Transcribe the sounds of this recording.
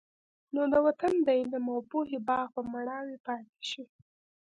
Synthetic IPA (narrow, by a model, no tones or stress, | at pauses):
nod̪əwat̪and̪ajinəmawpoɦebɑɣpəmaɳɑwepɑt̪e̥ʃi